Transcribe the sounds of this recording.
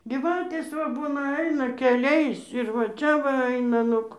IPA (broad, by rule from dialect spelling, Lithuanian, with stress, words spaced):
ˈɡʲiːʋɐtʲeːs ʋɐ ˈbuːnɐ ˈɐɪnɐ kʲɛˈlʲɛɪs ɪr ʋɐ ˈt͡ʃʲɛ ʋɐ ˈɐɪnɐ ˈnʊk